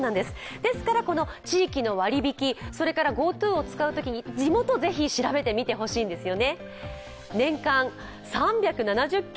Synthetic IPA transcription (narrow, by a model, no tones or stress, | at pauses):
nãnd̪e̞sɨ̥d̪̥e̞sɨ̥kaɾako̞no̞t͡ɕiːkʲino̞βaɾʲibʲikʲiso̞ɾe̞kaɾaɡo̞ːt̪ɯːo̞t͡sɨ̥kaɯ̟t̪o̞kʲiɲ̟id͡ʑimo̞t̪o̞ze̞çiɕiɾabe̞t̪e̞mʲit̪e̞ɦo̞ɕiːnd̪e̞sɨjo̞ne̞ | nẽ̞ŋkã | sãmbʲjakɯ̟nanaʑɨkʲː